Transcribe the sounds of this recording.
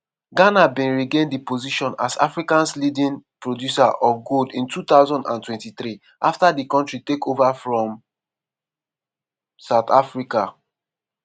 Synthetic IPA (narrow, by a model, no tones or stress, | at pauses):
ɡanabĩnɹiɡẽndipoziʃɔ̃na̰sa̰fɹikãnslidĩnpɹodjusaʔɔfɡodĩntʰut̪aʊzɔ̃ndã̰ntwɛ̃ntiθɹi | ʔaftadikɔ̃ntɹitekovafɹɔ̃m | saʊt̪afɹika